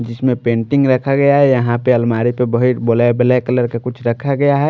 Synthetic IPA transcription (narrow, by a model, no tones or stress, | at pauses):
d͡ʒɪsmẽpẽːɳʈɪ̃ŋɡɾəkʰaɡəjaɦɛjəɦãpeəlmaːɾipebəɦit̪bolaebelekələɾkekʊt͡ʃʰɾəkʰaɡɐjaɦɛ